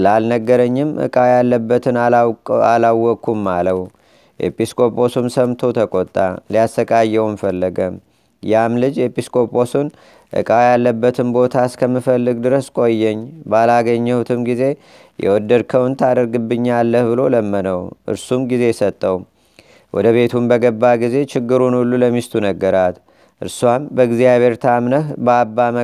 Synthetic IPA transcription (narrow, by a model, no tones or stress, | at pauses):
lalnəɡːəɾəɲːɪmʔɨ̰kʼawjalːəbːət̪ʰɨnalawːɔkːumːaləw | jḛpʰiskʰʼo̞pʰʼo̞sumsəmt̪ʰo̞t̪ʰəkʼot̪ʼːaliasəkʼajːɛwmfəlːəɡəm | jamlɨd͡ʒjepʰiskʰʼo̞pʼo̞sun | ʔɨ̰kʼawjalːəbːət̪ʰɨmbo̞t̪ʰaskʰəmːɨfəlːɨɡd̪ɨɾəskʼo̞jːɛɲːbalaɡəɲːəwut̪ʰɨmɡize̞ | jɛ̰wɔd̪əɾkʰəwnt̪ʰad̪əɾɡɨbːɨɲːalːəhbɨlo̞ləmːənəwʔɨ̰ɾsumɡize̞sət̪ʼːəw | wɔd̪əβe̞t̪ʰumbəɡəbːaɡize̞t͡ʃɪɡːɨɾunulːuləmist̪ʰunəɡːəɾat̪ | ʔɨ̰ɾswambəɡzijaβʱe̞ɾt̪ʰamnəhbəabːamə